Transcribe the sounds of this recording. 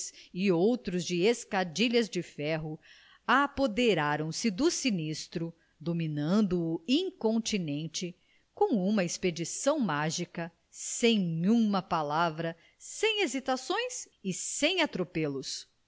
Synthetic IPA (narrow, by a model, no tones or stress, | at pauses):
sɪowt̪ɾʊzd͡ʒɪeskad͡ʒiʎɐzd͡ʒɪfɛɦʊ | apod̪eɾaɾɐ̃w̃sɪd̪ʊsinist̪ɾʊ | d̪ominɐ̃nd̪ʊĩŋkõnt͡ʃinẽnt͡ʃɪ | kõw̃ũmɐesped͡ʒisɐ̃w̃maʒikɐ | sẽj̃ũmɐpalavɾɐ | sẽj̃ezit̪asõj̃s | ɪsẽj̃at̪ɾopelʊs